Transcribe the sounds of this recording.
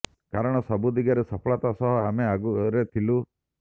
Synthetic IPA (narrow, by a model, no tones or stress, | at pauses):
kaɾɔɽ̃ɔsɔbud̪iɡaɾesɔpʰɔɭɔt̪asɔɦɔameaɡuɾet̪ʰilu